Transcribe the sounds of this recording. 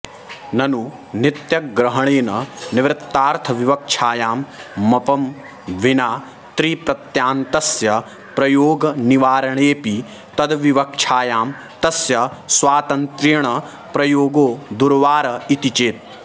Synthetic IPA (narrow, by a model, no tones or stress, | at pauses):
nɐnu | nɪt̪jɐkɡɾɐɦɐɳ̃eːnɐnɪʋɾɪt̪ːaːɾt̪ʰɐʋiʋɐk̚t͡ʃʰaːjaːmːɐpɐm | ʋinaː | t̪ɾiːpɾɐt̪jaːnt̪ɐsjɐ | pɾɐjoːɡɐniʋaːɾɐɳ̃eːpi | t̪ɐd̪ʋiʋɐk̚t͡ʃʰaːjaːm | t̪ɐsjɐsʋaːt̪ɐnt̪ɾiɳɐ | pɾɐjoːɡoːd̪uɾʋaːɾɐit̪it͡ʃeːt̪̚